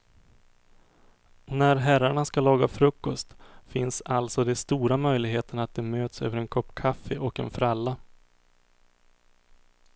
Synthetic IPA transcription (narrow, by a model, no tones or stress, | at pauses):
næɾɦæɾaɳaskalɑːɡafɾɵkːɔst̪fɪnsalt̪sɔd̪ɛst̪uːɾamœjlɪɡɦeːt̪əɳat̪̚d̪ɛmøːt̪sø̰ːvəɾɛnkʰɔpːkʰafːəʔɔkɛ̰nfɾalːa